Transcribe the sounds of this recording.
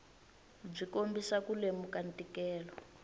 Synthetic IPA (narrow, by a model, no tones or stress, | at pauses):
b͡ʐikombisakulemukantʼikɛːlɔ